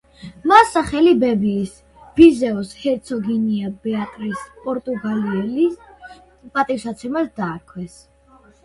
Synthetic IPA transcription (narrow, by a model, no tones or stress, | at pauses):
masːaχɛlibɛbiːs | b̥izɛɔshɛɾt̪sʰɔɡiniabɛat̪ʼɾispʼɔɾt̪ʼuɡaliɛli | pʼat̪ʼifsat̪sʰɛmasd̪aːɾkʰwɛs